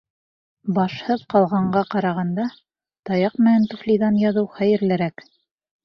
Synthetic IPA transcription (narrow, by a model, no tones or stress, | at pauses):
bɑʃhɤðqɑlˠʁɑɴɢɑqɑɾɑʁɑnd̪ɑ | t̪ɑjɑqmɘ̆nænt̪ufliðɑnjɑðɤwχæjɘ̆ɾlɘ̆ɾæk